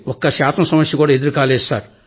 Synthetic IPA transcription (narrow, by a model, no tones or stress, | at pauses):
ɔkːɐʃaːsɐnɐsɐmɐsjɐkuːɽaːed̪uɾkaːleːsta̰ːɾ